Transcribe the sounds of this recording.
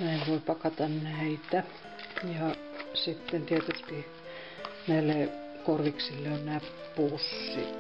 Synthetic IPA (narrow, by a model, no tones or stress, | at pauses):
næˑiʋʋoˑipɑkɑt̪ɑnnæit̪æ | jɑ | sit̪ːent̪iet̪ysk̪i | næilːe | korʋiksilːeonnæːp | pusːḭ